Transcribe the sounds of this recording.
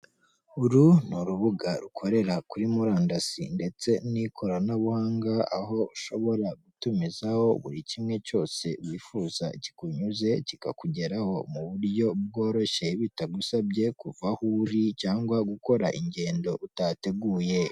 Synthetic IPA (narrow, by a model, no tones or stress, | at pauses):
uɾunuɾuβuɡaɾukʰo̞ɾe̞ɾakuɾimuɾaːndasḭnde̞t͡se̞nikʰo̞ɾanaβuhaːŋɡaa̰ɦo̞uʃo̞βo̞ɾaɡutumizaho̞βṵɾicimŋe̞co̞ːse̞βwiːfuːzaci̥kuɲuze̞cika̰kuɟe̞ɾaho̞muβuɾɟo̞b̚ɡo̞ːɾo̞ʃe̞βitaɡusabɟe̞kuvahuɾicaːŋɡwaɡuko̞ɾa̰ʔiɲɟe̞ːndo̞ʔutate̞ɡuːje̞